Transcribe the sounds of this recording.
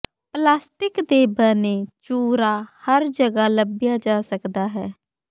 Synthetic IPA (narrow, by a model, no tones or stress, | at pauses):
plaːsʈɪkd̪eːbənet͡ʃuːɾaːhəɾd͡ʒəɡaləbɪjad͡ʒaːsəkd̪aːɦɛː